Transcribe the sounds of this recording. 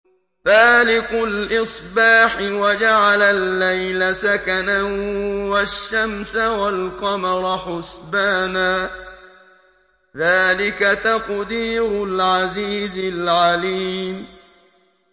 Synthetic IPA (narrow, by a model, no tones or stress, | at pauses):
faːlɪqʊlʔɨsˤbɑːħɪwad͡ʒaʕalalːajlasakanawaʃːamsawalqɑmɑɾˤħʊsbaːnaː | ðaːlɪkat̪aqd̪iːɾʊlʕaziːzɪlʕaliːm